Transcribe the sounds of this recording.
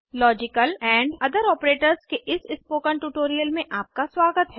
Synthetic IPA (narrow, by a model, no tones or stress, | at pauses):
lɔːd͡ʒɪkəlɛ̃ːɳɖɐd̪əɾɔːpɾeːʈəɾzkeʔɪsɪspoːkə̃ɳʈuːʈoːɾijəlmẽʔaːp̚kaswaːɡət̪ɦɛː